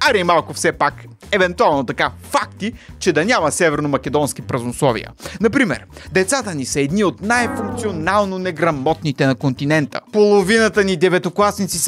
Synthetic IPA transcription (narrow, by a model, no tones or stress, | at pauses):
ɐɾimalˠkʊfsɛpak | ɛvɛnt̪ualˠnot̪ɐkafakt̪it͡ʃɛd̪ɐnʲamɐsɛvɛɾnomɐkʲɛd̪ɔnskipɾɐznoslˠɔvḭjə̰nɐpɾimɛ̰ɾd̪ɛt̪sat̪ənisɐɛd̪niot̪najfuŋk̚t̪sionalˠnonɛɡɾɐmɔt̪nit̪ɛnɐkont̪inɛnt̪ə̰polˠovinət̪ənid̪ɛvɛt̪oklˠasnit̪sis